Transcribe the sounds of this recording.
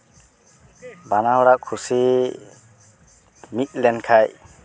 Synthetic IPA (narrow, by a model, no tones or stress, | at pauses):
banawɔɽaʔkʰusi | mit̪̚lɛnkʰaj